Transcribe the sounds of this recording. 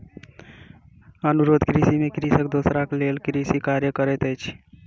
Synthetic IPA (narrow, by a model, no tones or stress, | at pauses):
ənuɾod̪ʱkɾisimekɾisəkd̪osɾaklelkɾisikaɾjəkəɾɛt̪əjt͡ʃʰ